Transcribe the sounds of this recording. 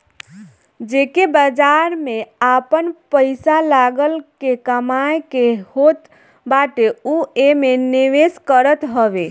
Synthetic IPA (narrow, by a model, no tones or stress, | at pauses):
d͡ʒekebəd͡ʒaɾmeapənpəɪsalaɡəlkekəmajkehot̪ | baʈeuemeniʋeskəɾət̪ɦəbe